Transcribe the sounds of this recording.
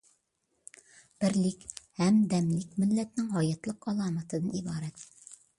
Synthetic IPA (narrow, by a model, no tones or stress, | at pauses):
b̥ɪɾlɪkʲhɛmd̪ɛmlɪkʲmɪlːɛt̪nɪŋɦɑjɑt̪lˠəqɑlˠɑːmɑt̪ʰɨd̪ɨnibɑːɾɛt̪